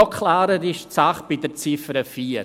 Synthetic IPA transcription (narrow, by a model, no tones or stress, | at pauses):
ɔkʰlaːɾəɾɪʃt͡saχb̥ɪdəɾt͡sɪfəɾəfiːɾ